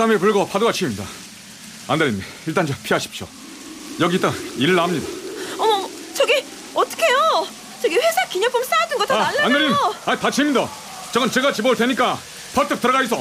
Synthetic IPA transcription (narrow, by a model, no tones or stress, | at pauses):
ɾamepuɭɡʌpʰadoɡat͡ɕʰiimɲida̰ | andaɾim | iɭt͈and͡ʑʌpʰiɦaɕʰi̥p̚ɕ͈jo̰ | jʌɡit͈aiɭːamɲidaʌmʌ | t͡ɕʌɡi | ʌt͈ʌ̥kʰe̞jo | t͡ɕʌɡiɸwesʰakiɲʌp͈ʰɯms͈ajadɯnɡʌt͈oanːaandeɾimaitat͡ɕʰiimɲida | t͡ɕʌɡɯnt͡ɕeɡat͡ɕiboɯɭdweɲik͈a | pʰʌtʰɯk̚t͈ɯɾʌɡaɕis̬͈ʌ